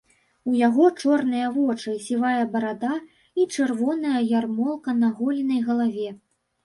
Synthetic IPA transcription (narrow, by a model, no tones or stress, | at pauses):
ujaɣɔt͡ʂɔrnɨjɐvɔt͡ʂɨsʲivajɐbɐɾad̪a | it͡ʂɨrvɔnɐjɐjarmɔlˠkɐnɐɣɔlʲinɐjɣɐlˠavʲɛ